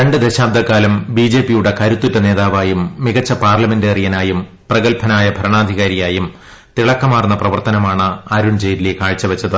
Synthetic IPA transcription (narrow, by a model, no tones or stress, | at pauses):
ɾeɳɖɨd̪eɕaːb̚d̪ɐkːaːlɐmbid͡ʑe̞ːpːijuɽe̞kɐɾut̪ːutːɐne̞ːðaːʋaːjumːiɣɐt͡ɕːɐpaːrlɐme̞ndeːrijɐnaːjum | prɐɣɐlpʰɐnaːjɐbʱɐɾɐɳaːd̪ʱiɣaːɾijaːjum | t̪iɭɐkːɐmaːrunːɐprɐʋɐrt̪ɐnɐmaːɳɨaɾuɳd͡ʑejɾilekaːɻit͡ɕːɐʋɐt͡ɕːɐðɨ